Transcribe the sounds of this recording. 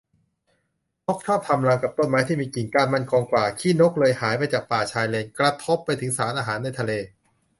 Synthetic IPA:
no˦˥k̚t͡ɕʰɔː˥˩p̚t̪ʰa˧mla˧ŋka˨˩p̚t̪o˧˥˩nmaː˨˩˦jt̪ʰiː˥˩miː˧ki˨˩ŋkaː˧nma˥˩nkʰɔː˧ŋkwaː˨˩kʰiː˥˩no˦˥k̚lɤː˧jhaː˩˦jpa˧jt͡ɕaː˨˩k̚paː˨˩t͡ɕʰaː˧jleː˧nkɾa˧t̪ʰo˦˥pːa˧jt̪ʰɯ˩˦ŋsaː˩˦nʔaː˧ɦaː˩˦nːa˧jt̪ʰa˧leː˧

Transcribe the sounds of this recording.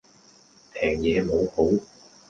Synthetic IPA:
tʰɛː˨˩ŋjɛ˨˧˥mu˨˥˦hu˨˥˦w

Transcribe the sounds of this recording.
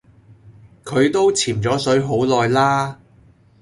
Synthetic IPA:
kʰɵ˨˧ɥt̪o˥wt͡sʰiː˨˩mt͡sɔː˨˥sɵ˨˥ɥɦo˨˥wlɔː˨˧jlaː˥

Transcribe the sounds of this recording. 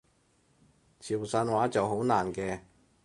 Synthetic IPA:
t͡sʰiː˨˩wsaː˧nwaː˨˥t͡sɐ˨wɦo˨˥wnaː˨˩nkɛː˧

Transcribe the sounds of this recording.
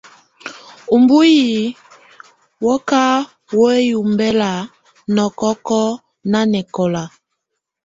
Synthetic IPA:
u˨mbu˦ji˨ | wɔ˦ka˦ | wo˦e˦ju˨mbɛ˦la˨ | nɔ˨kɔ˦kɔ˦ | na˦nɛ˨kɔ˨la˨

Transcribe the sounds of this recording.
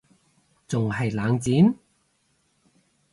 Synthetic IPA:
t͡sʊ˨ŋhɐ˨jlaː˨˧ŋt͡siː˨˥m

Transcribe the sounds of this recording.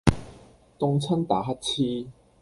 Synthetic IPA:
t̪ʊ˧ŋt͡sʰɐ˥nt̪aː˨˩˦ɦɐ˥t̚t͡ɕʰiː˧

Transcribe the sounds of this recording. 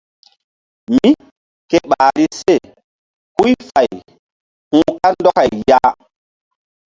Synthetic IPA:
mi˦ | ke˦ɓaː˨ɾi˦se˦˨ | ku˦jfa˨j | hũ˦ka˦ndɔ˦ka˨jjaː˦

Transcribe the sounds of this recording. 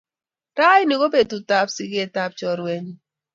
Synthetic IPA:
ɾa˦ji˦ni˨ɡo˦be˨tu˨ta˨psi˨ɡe˦˨ta˦p̚t͡ʃɔ˨ɾwe˦ɲ˦

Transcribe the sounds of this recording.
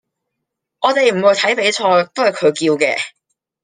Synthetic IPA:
ɔː˨˧t̪e˨jm̩˨˩wu˨˧jt̪ʰɐ˨˥jpe˨˧˥jt͡ʃʰɔː˧t̪o˥hɐ˨jkʰɵ˨˧ɥkiː˧wkɛ̰ː˧

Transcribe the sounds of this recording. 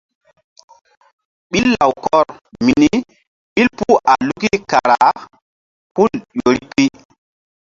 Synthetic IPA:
ɓi˦lːa˨wkɔ˦˨ɾmi˨ni˦ | ɓi˦lpu˦a˨lu˦ki˦ka˨ɾa˨˦ | pu˦˨ljo˨ɾi˦pi˦

